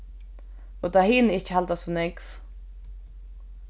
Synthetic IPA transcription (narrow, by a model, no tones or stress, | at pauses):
ɔt̪ʰahiːnəɪht͡ʃhalt̪asɔnɛkv